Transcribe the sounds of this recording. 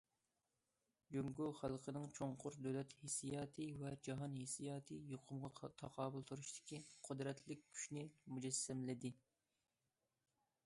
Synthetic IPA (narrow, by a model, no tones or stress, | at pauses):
d͡ʒøŋɡuχælˠqʰənɨŋt͡ʃʰoŋqʰʊɾd̪øwlɛt̪hesijɑːt̪ʰɨvɛd͡ʒɑɦɑnhesijɑːt̪ʰɨjoqʰʊmʁɑt̪ʰɑqʰɑːbʊlˠt̪ʰuɾuʃt̪ɪ̥kʲiqʰʊd̪ɾɛt̪ʰlɪkʲkʲʰy̥ʃnɪmud͡ʒɛsːɛmlɪd̪ɪ